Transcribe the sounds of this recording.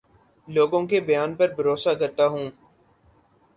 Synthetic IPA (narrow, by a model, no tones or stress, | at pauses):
loːɡõːkebəjaːnpəɾbʱəɾoːsakəɾt̪aːɦũː